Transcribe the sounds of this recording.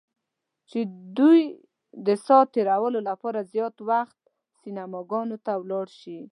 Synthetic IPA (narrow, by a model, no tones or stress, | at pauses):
t͡ʃed̪uj | d̪əsɑt̪eɾawəlolapɑɾazjɑt̪waxt̪̚ | sinamɑɡɑnot̪awlɑɽʃi